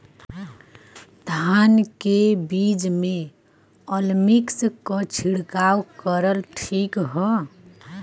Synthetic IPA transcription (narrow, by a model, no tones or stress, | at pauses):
d̪ʱankebid͡ʒme | ɔlmikskɔt͡ʃʰiɽkawkəɾəlʈʰikɦɔ